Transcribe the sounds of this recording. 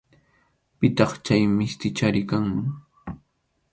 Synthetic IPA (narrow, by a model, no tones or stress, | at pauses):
pɪt̪ɑχt͡ʃajmɪst̪ɪt͡ʃaɾɪkaŋmɪ